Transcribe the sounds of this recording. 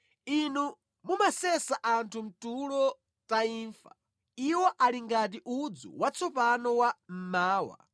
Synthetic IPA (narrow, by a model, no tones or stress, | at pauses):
inu | mumasɛsaʔantʰum̩tulɔ | taiːɱfa̰ | iwɔʔaliŋɡat̬iʔud͡zṵwat͡sʰɔpanɔwam̩maːwa̰